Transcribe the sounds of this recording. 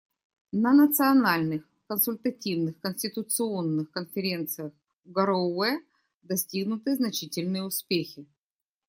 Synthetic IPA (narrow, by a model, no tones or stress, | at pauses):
nənət̪sɨɐnalʲnɨx | kənsʊlʲt̪ətʲivnɨxkənʲsʲtʲɪt̪ʊt̪sɨo̞nːɨxkənfʲɪɾʲe̞nt̪sɨjəx | ɡəɾoɛ | d̪ɐsʲtʲiɡnʊt̪ɨjəznɐt͡ɕitʲɪlʲnɨjəʊspʲexʲɪ